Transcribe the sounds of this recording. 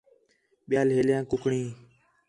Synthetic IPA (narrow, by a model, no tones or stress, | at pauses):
ɓɪjaːlɦeːljãːkʊkɳĩː